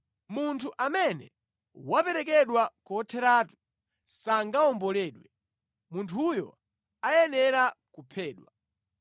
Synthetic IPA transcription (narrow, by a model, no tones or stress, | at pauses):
muntʰuʔamɛnɛ̰ | wapɛɾɛkɛɗwakɔtʰɛɾaːtu̥ | saŋɡaɔmbɔlɛːɗwɛ | muntʰujɔ̰ | ajɛnɛɾakupʰɛːɗwa